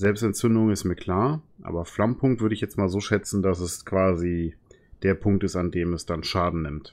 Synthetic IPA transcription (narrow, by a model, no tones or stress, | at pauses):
zɛlpstɛnt͡sʏndʊŋɪstmiːɐkʰl̥aːɐʔa̰ːbɐflampʰʊŋktv̥ʏɐɾəɪçjɛt͡stmaːlzoːʃɛt͡sn̩das̬ɛskv̥aːzi | d̥eːɐpʰʊŋktɪstandeːmɛsd̥anʃaːdn̩nɪmt